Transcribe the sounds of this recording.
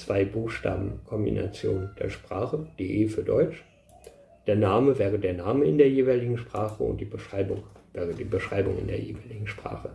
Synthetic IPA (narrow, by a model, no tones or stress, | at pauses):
t͡sv̥aɪbuːxʃta̰ːbm̩kʰɔmbḭna̰t͡sjo̰ːnd̥ḛːɐʃpʁ̥aːχəd̥eːʔeːfyːɐdɔʏt͡ʃ | d̥eːɐnaːməvɛːʁəd̥eːɐnaːməɪndeːɐjeːvaɪlɪɡŋ̩ʃpʁ̥aːχəʊ̰nt̚d̥iːbəʃʁ̥aɪbʊŋvɛːʁədiːbəʃʁ̥aɪbʊ̰ŋɪ̰ndḛːɐjeːvaɪlɪɡŋ̩ʃpʁ̥a̰ːχə